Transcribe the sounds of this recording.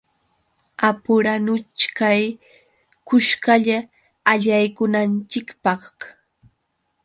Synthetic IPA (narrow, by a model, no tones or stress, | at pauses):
apʊɾanʊt͡ʃkaj | kʊʃkaʎaː | ʎajkʊnant͡ʃɪkpɑχ